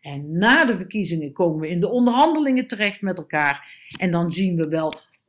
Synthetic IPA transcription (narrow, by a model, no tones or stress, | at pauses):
ɛnːaːdəvəɹkizɪŋəkowməʋəɪndəɔndəɹɦɑndəlɪŋətərɛxtmɛtɛlˠkaːrʔɛndɑnzinʋəʋɛlˠ